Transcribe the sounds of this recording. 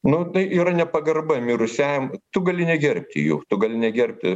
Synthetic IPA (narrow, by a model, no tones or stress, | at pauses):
nʊnɐɪiːɾɐnʲɛpɐɡɐrbɐmʲiɾʊsʲæːjɛmt̪ʊɡɐlʲɪnʲɛɡʲɛrʲpʲt̪ʲɪ̰jṵːt̪ʊɡɐlʲɪnʲɛɡʲɛrʲp̚ʲt̪ʲɪ